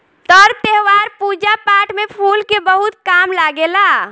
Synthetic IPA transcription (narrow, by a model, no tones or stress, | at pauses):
t̪ɔːɾt̪eɦwaɾpud͡ʒapaːʈmẽpʰuːlkebəɦut̪̚kaːmlaɡela